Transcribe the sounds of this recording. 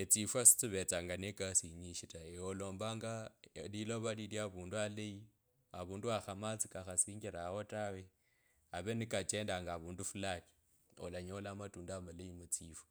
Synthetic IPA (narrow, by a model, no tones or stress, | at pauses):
et͡sifwasi̥t͡siβet͡saːŋɡanekasiɲiʃitaeolo̞ːmbaːŋɡaliloβaliljaβuːndualeji | aβuːnduaxamat͡sikaxasiːŋɡiɾahotawe | aβenikat͡ʃeːndaŋɡaβuːndufulaki̥ | o̰laɲolamatuːndamaleimut͡siːfḁ